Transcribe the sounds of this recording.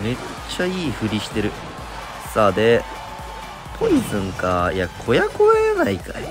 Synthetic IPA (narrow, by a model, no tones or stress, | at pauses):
me̞ | t͡ɕːaiːɸɯ̟ɾʲiɕi̥t̪e̞ɾɯ̟ | sad̪e̞ | pʰo̞izɨ̃ŋkajakʰo̞jako̞enaika